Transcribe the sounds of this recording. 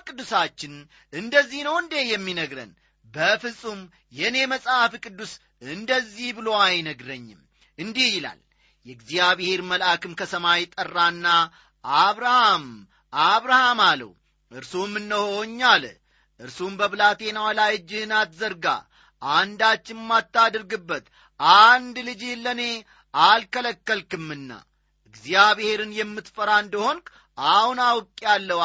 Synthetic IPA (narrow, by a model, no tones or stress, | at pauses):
kʼɨd̪ːusat͡ʃːɪn | ʔɨnd̪əzːihnəwɨnd̪e̞jɛmːinəɡɾə̰n | bəfɨsʼum | jɛne̞məsʼhafkʼɨd̪ːus | ɨnd̪əzːihbɨlo̞ajnəɡɾəɲːɪm | ʔɨnd̪ihjɪla̰l | jɛɡzijaβehe̞ɾməlʔakɨmkʰəsəmajɪt̪ʼərːanːa | aβɾaham | ʔaβɾahamalə̰wu | ʔɨɾsumːɨnːəhoɲːal | ʔɨɾsumbəβɨlat̪e̞nawlajd͡ʒːɪnat̪zəɾɡa̰ | and̪at͡ʃːɪnmat̪ːad̪ɾɡɨbːət̪ | and̪lɨd͡ʒilːəne̞ | alkələkːəlkɨmːɨnːa̰ | ʔɨɡzijaβehe̞ɾɨnjɛmːɨt̪fəɾand̪əho̞ŋkʼ | ʔahunawkʼjalːə